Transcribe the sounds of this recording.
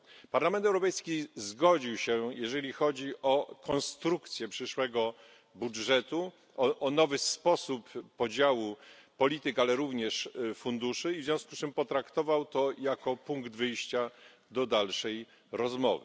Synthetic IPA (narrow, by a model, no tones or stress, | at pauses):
paɾlamɛnt̪ɛwɾɔpɛjskʲizɡɔd͡ʑiwɕɛjɛʐɛlʲixɔd͡ʑiʔɔkɔnst̪ɾukt̪sʲjɛpʂɘʂwɛɡɔ | budʐɛt̪u | ɔʔɔnɔvɘspɔsupːɔd͡ʑawupɔlʲit̪ɘkalɛɾuvɲɛʂfund̪uʂɘivzʲjɔ̃skust͡ʂɘmpɔt̪ɾakt̪ɔvawt̪ɔjakɔpuŋɡd̪vɘjɕt͡ɕa | d̪ɔd̪alʂɛj | ɾɔzmɔ̰vɘ